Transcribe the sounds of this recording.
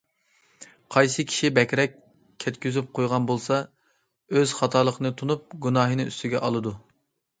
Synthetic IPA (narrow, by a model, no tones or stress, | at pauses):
qʰɑjsɨkʲʰi̥ʃibɛkʲɾɛkʲʰ | ɛt̪kʲyzyp̚qʰojʁɑnbolˠsɑ | øz̥χɑt̪ʰɑːlˠəqʰənɨt̪ʰunup̚ɡunɑːɦɨnɨyst̪ʰyɡʲɛʔɑlˠɨd̪u